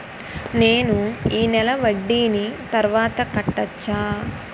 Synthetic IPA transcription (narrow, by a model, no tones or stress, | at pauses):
ne̞ːnuiːnɛlɐʋɐɖːiːnit̪ɐɾʋaːt̪ɐkɐʈːɐt͡ʃːaː